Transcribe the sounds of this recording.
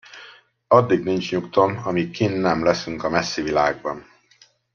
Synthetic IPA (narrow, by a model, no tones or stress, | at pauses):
ɒd̪ːiɡnint͡ʃɲukt̪o̞mɒmikinːɛmlɛsyŋkɒmɛsːivilaːɡ̚bɒn